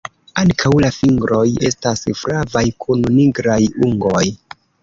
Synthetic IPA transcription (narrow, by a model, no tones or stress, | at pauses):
aŋkʰawlafiŋɡɾo̞je̞̰stasfɾavajkʰunniɡɾajuŋɡoj